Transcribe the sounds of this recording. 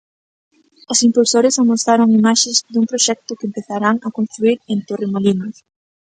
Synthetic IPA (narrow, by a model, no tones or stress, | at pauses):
osimpulsoɾɪsamost̪aɾoŋimaʃezd̪uŋpɾoʃɛk̚t̪ʊkɪempeθaɾaŋakonst̪ɾuiɾẽnt̪oremolinʊ